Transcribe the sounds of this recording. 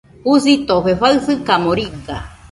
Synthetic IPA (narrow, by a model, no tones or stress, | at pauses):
hus̬it̪oɸeɸaɨsɨkamoɾiɡa